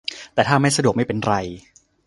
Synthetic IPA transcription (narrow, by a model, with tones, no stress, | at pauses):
t̪ɛː˨˩t̪ʰaː˥˩ma˥˩jsa˧du˨˩k̚ma˥˩pe˧nɾa˧j